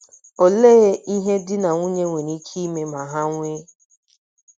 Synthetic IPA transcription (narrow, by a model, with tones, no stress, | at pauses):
o˨le˦e˦i˦ɦe˦dɪ˦na˨ŋʷo˦ɲe˦ŋʷe˨ɾi˦kʰi˦me˦ma˨ɦa˦ŋʷe˦